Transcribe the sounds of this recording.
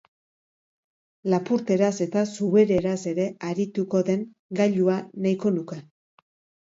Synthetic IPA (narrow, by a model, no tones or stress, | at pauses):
lapuɾt̪e̞ɾase̞t̪asuβe̞ɾe̞ɾase̞ɾe̞aɾit̪uko̞ðe̞ŋ | ɡaʎuanajko̞nuke̞